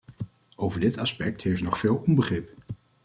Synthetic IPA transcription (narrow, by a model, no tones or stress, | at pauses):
owvəɹdɪtɑspɛk̚thejfnɔχfɪːlˠɔmbəχrɪp